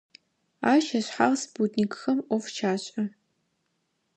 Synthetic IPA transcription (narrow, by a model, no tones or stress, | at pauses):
aːʃɐɕħaʁsbutʰnikʰʼxɐmʔʷɔft͡ʃʰaːɕʼɐ